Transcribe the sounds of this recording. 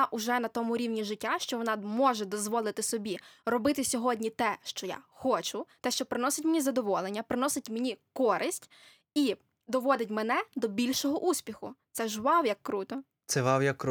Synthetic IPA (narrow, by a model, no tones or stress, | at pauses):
ʔʊʒɛnɐt̪ɔmʊɾʲiwnʲiʒɪtʲːaʃt͡ʃɔʋɔnɑmɔʒɛd̪ɔzʋɔlˠɪt̪ɪsɔbʲirɔbɪt̪ɪsʲɔɦɔdʲnʲit̪ɛʃt͡ʃɔja̰xɔt͡ʃʊt̪ɛʃt͡ʃɔpɾɪnɔsɪtʲmenʲizɐd̪ɔʋɔlˠenʲːɐpɾɪnɔsɪtʲmenʲikɔɾʔɪsʲtʲ | i | d̪ɔʋɔd̪ɪtʲmenɛd̪ɔbʲilʲʃɔɦɔʔusʲpʲixʊt̪sɛʒʋɑwjɐkːɾut̪ɔ | t̪sɛʋɑwjɐkː